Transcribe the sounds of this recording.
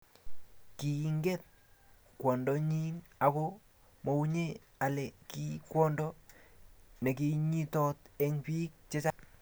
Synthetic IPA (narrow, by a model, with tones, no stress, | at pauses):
ki˨ŋɡɛ˦t̚ | kwɔ˨ndɔ˨ɲi˦na˨kɔ˦ | mɔ˨u˦ɲe˦ | a˨lɛ˨ki˦kwɔ˦ndɔ˦ | ne˨ki˨ɲi˦tɔ˦tɛ˦ŋpi˦k̚t͡ʃɛ˦t͡ʃa˦